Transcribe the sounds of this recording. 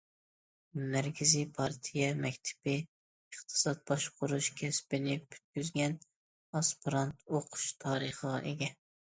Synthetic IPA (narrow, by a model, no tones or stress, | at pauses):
mæɾkʲʰɪzipʰɑɾt̪ʰijɛmɛkʲt̪ʰɪ̥bɪ | əχt̪ʰɨ̥sɑt̪̚bɑʃqʰʊɾuʃkʲʰɛspɪnɪbʲʰy̥t̪̚kʲyzɡʲɛn | ɑspɨɾɑnt̪ʰoqʰʊ̥ʃt̪ʰɑːɾəχəʁɑ̰ʔeɡʲɛ